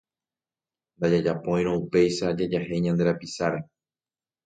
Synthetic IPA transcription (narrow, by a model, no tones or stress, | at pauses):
nd̪ad͡ʒad͡ʒapõj̃ɾ̃õupe̞jʃad͡ʒad͡ʒahe̞jɲãnd̪e̞ɾapisaɾe